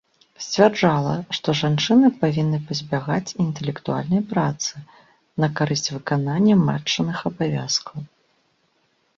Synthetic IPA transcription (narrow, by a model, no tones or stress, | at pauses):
sʲt͡sʲvʲard͡ʐalˠɐʂt̪ɔʐant͡ʂɨnɨpavʲinːɨpɐzʲbʲaɣat͡sʲint̪ɛlʲɛkt̪ua̰lʲnɐjpɾat̪sɨ | nɐkaɾɨsʲt͡sʲvɨkananʲːɐma̰t͡ʂːɐnɨxɐbavʲa̰skɐw